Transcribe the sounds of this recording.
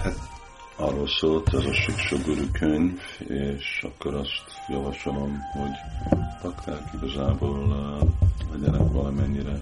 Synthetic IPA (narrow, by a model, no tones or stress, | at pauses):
hat̪ | ɒrːolsoːlt̪ɛzɒʃikʃøɡøɾyːkʰøɲveːʃɒ̰kːoɾɒst̪jɒvɒʃolo̞mho̞ɟt̪ɒkt̪aːkiɡɒzaːboːl | lɛɟɛnɛkʋɒlɒmɛɲːiɾɛ